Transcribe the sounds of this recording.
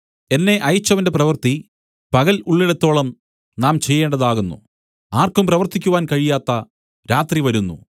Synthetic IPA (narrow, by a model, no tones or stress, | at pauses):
e̞nːe̞ʔɐjt͡ɕːɐʋɐnde̞prɐʋɐrt̪i | pɐɣɐluɭːiɽɐt̪ːo̞ːɭɐm | naːmt͡ɕejːe̞ːɳɖɐðaːɣunːṵ | aːrkumprɐʋɐrt̪ikʲːuʋaːnkɐɻijaːt̪ːɐ | ɾaːt̪riʋɐɾunːṵ